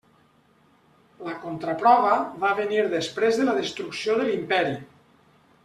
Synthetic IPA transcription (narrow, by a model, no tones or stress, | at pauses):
ləkont̪ɾapɾɔβəβaβeniɾðespɾezðəlaðest̪ɾuksioðelimpɛɾi